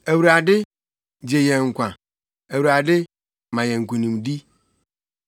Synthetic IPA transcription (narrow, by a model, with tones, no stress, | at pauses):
e˨wu˨ɾa˨dɪ˦ | d͡ʑe˨jɛ̃˨ŋ̩˨kʷã˨ | e˨wu˨ɾa˨dɪ˦ | mã˨jɛ̃˨ŋ̩˨kʷu˨nĩ˨mdi˦